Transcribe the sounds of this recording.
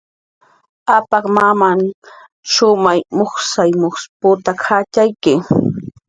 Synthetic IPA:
apɑkmamaŋ | ʃʊmajmoχsajmoχspʊt̪akʰat͡ʃajkɪ

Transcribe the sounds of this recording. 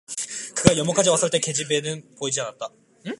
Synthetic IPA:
kɯɡajʌmʌkʰad͡ʑiwas͈ɯɭt͈e̞ke̞d͡ʑibe̞nɯnpoid͡ʑianat̚t͈a

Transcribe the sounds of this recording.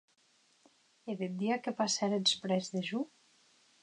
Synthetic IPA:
eðed̪iakepasɛɾed̪spɾɛzðeʒu

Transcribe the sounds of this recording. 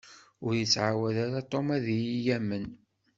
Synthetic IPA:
ʊɾjət͡sːʕawæðæɾat̪ˤːomæðjijæmːən

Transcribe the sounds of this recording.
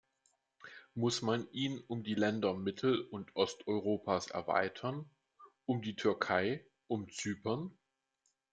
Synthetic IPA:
mʊsmanʔiːnʊmdiːlɛndɐmɪtʰl̩ʊntʔɔstʔɔʏʁ̞oːpʰaːsʔɛ̰ɐva̰ɪtʰɐn | ʔʊmdiːtʰʏɐkʰaɪ | ʔʊmt͡syːpɐn

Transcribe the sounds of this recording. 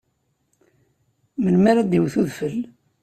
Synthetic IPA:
məlmaɾad̪iwθuðfəl

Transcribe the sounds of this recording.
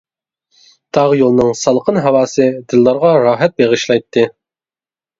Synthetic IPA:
t̪ʰɑʁjolˠnɨŋsɑlˠqʰənɦɑwɑːsɨd̪ɨlˠːɑɾʁɑɾɑːɦɛt̪̚beʁɨʃlˠɑjt̪ʰːɨ

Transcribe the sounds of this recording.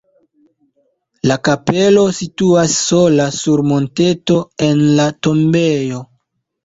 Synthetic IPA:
lakape̞lo̞situasːo̞lasuɾmo̞nte̞to̞e̞nlato̞mbe̞jo̞

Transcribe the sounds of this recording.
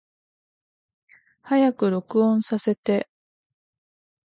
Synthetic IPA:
hajakɯ̟ɾo̞kɯ̟õ̞ɰ̃sase̞t̪e̞

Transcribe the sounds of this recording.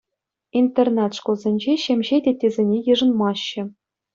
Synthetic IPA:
int̪ernɑt̪ʂkŏlˠzʲenʲd͡ʑeɕemʲʑedʲetʲːezʲenʲejɯ̆ʐɤ̆nmɑɕːɘ̆

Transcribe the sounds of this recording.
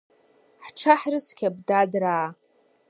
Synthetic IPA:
ħʈ͡ʂʰaħrɨskʲʰabdadraː

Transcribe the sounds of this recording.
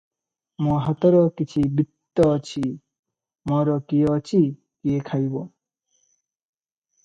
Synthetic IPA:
mɔ̃ɦat̪ɔɾɔkit͡ʃʰibit̪ːɔt͡ʃʰi | mɔɾɔkiɔt͡ʃʰi | kiekʰajbo

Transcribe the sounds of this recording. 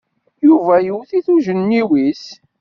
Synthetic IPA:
juvæjəwθiθuʒənːiwis

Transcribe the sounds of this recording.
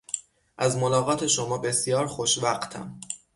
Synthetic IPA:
ʔæzmolɒːɣɒːt̪ʰe̞ʃomɒːbe̞sjɒːɾxo̞ʃvæɢt̪ʰæ̰m

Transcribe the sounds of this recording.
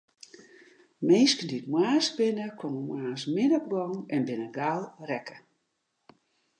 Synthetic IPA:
meːskəndiətmwaːsbɪnəkʰwɔməmwaːsmɪdəkbɔnɛnbɪnəɡalˠrɛkə

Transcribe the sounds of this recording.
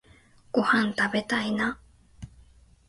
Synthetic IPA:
kuhant̪aβet̪aina

